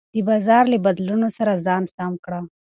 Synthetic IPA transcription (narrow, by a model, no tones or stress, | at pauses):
d̪̥əbɑzɑɾlabad̪lunosaɾazɑnsamkɽa